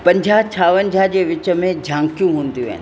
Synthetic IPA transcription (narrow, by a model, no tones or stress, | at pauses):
pɐ̃ɲd͡ʑʱat͡ɕʰaːʋənd͡ʑʱad͡ʑeːʋɪt͡ɕə̆mẽd͡ʑʱãːŋkjũɦũːnd̪ijũɦɛ̰ːn